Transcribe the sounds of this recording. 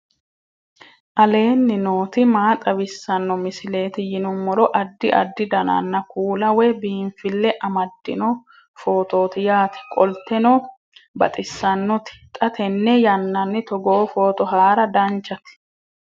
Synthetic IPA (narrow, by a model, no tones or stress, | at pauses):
ʔɐle̞ːnːɪno̞ːt̪ɪmaːt̪ʼɐbɪsːɐnːɔmɪsɪle̞ːt̪ɪjɪnʊmːɔɾɔʔɐd̪ːɪʔɐ̰d̪ːɪd̪ɐnɐ̰nːɐkuːlɐwɛbiːɱfɪlːɛʔɐmɐd̪ːɪ̰nɔ | fo̞ːt̪o̞ːt̪ɪjaːt̪ɪ̥kʼɔlt̪ːɛnɔ | bɐ̰t̪ʼɪsːɐnːɔt̪ɪ̥t̪ʼɐt̪ɛnːɛjɐnːɐnːɪt̪ɔɡoːfo̞ːt̪ɔɦaːɾɐd̪ɐnt͡ʃːɐt̪ɪ̥